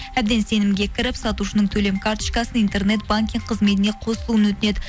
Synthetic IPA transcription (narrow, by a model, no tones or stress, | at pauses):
æb̚d̪e̞nse̞nɪmɡʲe̞kʲʰɪɾɪpsɑt̪uʃənəɴt̪ʰɵle̞mkʰaɾt̪ə̥ʃkɑsənijnt̪e̞rne̞t̪̚baŋkʲiɴqʰəzme̞t̪ɪne̞qʰo̞səlˠuənwɵt̪ɪne̞d̪ɪ